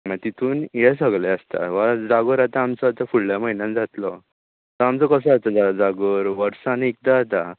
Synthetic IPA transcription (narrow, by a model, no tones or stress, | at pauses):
mãt̪it̪ʰuːnjes̬əɡlɛəst̪a̰ʋad͡zaɡoɾat̪aːmt͡sɔat̪afuɽljaməinãnd͡zat̪lɔ | t̪ɔamt͡sɔkəs̬əat̪ad͡zad͡zaɡoɾʋəɾsanek̚d̪at̪a